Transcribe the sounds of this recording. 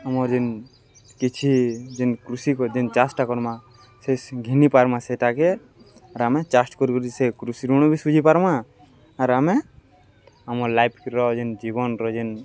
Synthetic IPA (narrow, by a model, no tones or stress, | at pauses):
amɔɾd͡ʒin | kit͡ʃʰid͡ʒinkɾusikɔd͡ʒint͡ʃasʈakɔɾma | sesɡʱinipaɾmasɛʈakɛ | aɾamɛt͡ʃasʈkɔɾikɔɾid͡ʒisekɾusiɾuɽ̃ɔbʱisud͡ʒʱipaɾmaː | ɾamɛ | amɔɾlajpʰkiɾɔd͡ʒind͡ʒiβɔnɾɔd͡ʒin